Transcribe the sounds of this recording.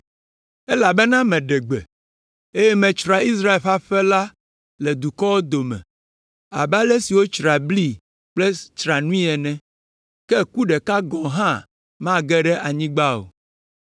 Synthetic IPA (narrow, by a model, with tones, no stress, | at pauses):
ɛ˦la˨bɛ˦nã˦mɛ̃˨ɖɛ˨ɡ͡bɛ̰˨ | e˦jɛ˦mɛ̃˨t͡ʃɾa˨i˦s̬ɾa˦e˨lɸa˦ɸɛ˦la˦ | lɛ˨d̪u˨kɔ˦wo˦d̪o˨mɛ̰̃˨ | a̰˨ba˦lɛ˦si˨wo˦t͡ʃɾa˨bli˦ | k͡plɛ˦t͡ʃɾa˨nũ˦ĩ˦ɛ˨nɛ̃˦ | kɛ˦ku˦ɖɛ˨ka˦ɡɔ̃˨ɦã˦ | mã˦ɡɛ˦ɖɛ˦ʔa˨ɲĩ˦ɡ͡ba˦o̰˨